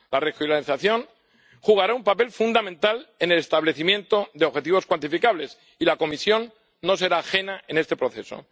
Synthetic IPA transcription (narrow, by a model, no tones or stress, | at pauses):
larexjulaiθaθjo̞n | xuɣ̞aɾaumpape̞lfund̪amẽ̞nt̪ale̞ne̞le̞st̪aβle̞θimje̞nt̪o̞ðeoβxe̞t̪̬iβo̞skwant̪ifikaβle̞s | ilako̞misjo̞nː | o̞s̬e̞ɾaːxe̞nae̞nest̪e̞pɾo̞θe̞so̞̰